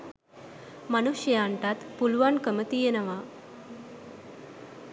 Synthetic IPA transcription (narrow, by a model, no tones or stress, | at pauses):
manuɕjəaɳʈat̪pulʋankəmət̪ijenəʋa